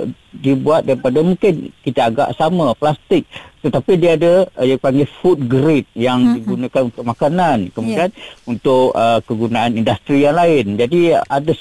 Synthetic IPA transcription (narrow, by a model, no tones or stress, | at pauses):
dibuat̪̚daɾipadamũŋkɪnkit̪aaɡa̰ʔsamãplast̪ɪk̚t̪ət̪apidiaːdajapaŋɡɛfut̪̚ɡɾɪt̪̚jaŋdiɡunãkanunt̪ʊk̚makanankəmudianunt̪ʊʔəkəɡunaanindast̪ɾijaŋlaɪnd͡ʒadiada